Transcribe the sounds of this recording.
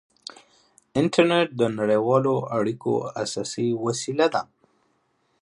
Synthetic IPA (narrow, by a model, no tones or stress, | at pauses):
ɪɳʈaɾneʈ̚d̪ənaɽewɑloaɽiko̰asɑsiwasilad̪a̰